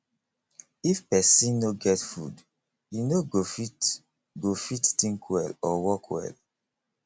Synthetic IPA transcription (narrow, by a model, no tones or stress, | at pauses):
ifpɛsĩnnoɡɛtfṵd | jinoɡofi | ɡofitːĩŋkʰwɛlɔwɔkwɛ̰l